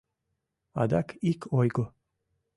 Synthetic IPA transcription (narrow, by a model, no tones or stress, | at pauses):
a̰d̪akʰikʰojɡo